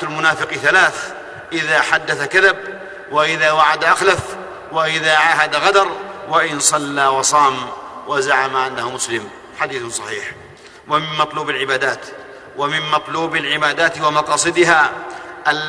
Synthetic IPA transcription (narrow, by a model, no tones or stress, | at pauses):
lmʊnaːfɪqiθalaːθ | ʔɪðaːħad̪ːaθakaðab | waʔɪðaːwaʕad̪ʔaxlaf | waʔɪðaːʕaːɦad̪aɣad̪ɑɾˤwaʔɪnsˤɑlːaːwɑsˤɑːmwazaʕamaʔanːahmʊslɪm | ħad̪iːθsˤɑħiːħ | wamɪmːɑt̪ˤluːbalʕɪbaːd̪aːt̪ | wamɪmmːɑt̪ˤluːbalʕɪbaːd̪aːt̪wamɑqɑːsˤɨd̪ɪɦaːʔal